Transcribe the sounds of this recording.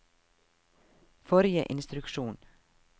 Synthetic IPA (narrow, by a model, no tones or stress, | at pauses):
fɔɾɪə̰ʔɪnst̪ɾʉkʃuːn